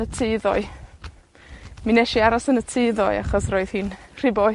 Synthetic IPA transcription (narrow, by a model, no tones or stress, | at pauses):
ətʰɪðɔɨ | minɛʃiaɾɔsənətʰɪːðɔɨa̰χɔsroːɨð̥hiːnr̥ɪbɔ